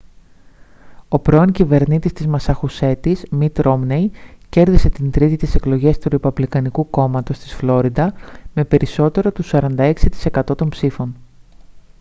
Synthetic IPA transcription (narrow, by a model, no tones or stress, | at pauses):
o̞pɾo̞oɲcive̞ɾnit̪ist̪izmɐsɐxuse̞t̪izmit̪ɾʔo̞mnejce̞ɾðise̞t̪int̪ɾit̪it̪ise̞klo̞ʝe̞st̪uɾipɐplikɐnikuko̞mɐt̪o̞st̪i̥sflo̞ɾid̪ɐme̞pe̞ɾiso̞t̪e̞ɾo̞t̪usɐɾɐnd̪ɐe̞ksit̪i̥se̞kɐt̪o̞t̪o̞mpsifo̞n